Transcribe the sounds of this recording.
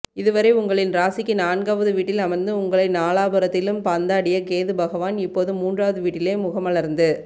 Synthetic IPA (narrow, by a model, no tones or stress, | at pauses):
ɪðɯʋɐɾɐɪʊŋɡɐɭɪnɾaːsɪkːɯnaːnɡaːʋɐðɯʋiːʈːɪlɐmɐɾnd̪ɯʊŋɡɐɭɐɪnaːɭaːbɯɾɐt̪ːɪlɯmpaːnd̪aːɽɪjɐkeːðɯbɐɣɐʋaːnɪpːoːðɯmuːndraːʋɐðɯʋiːʈːɪleːmʊɣɐmɐɭɐɾnd̪ɯ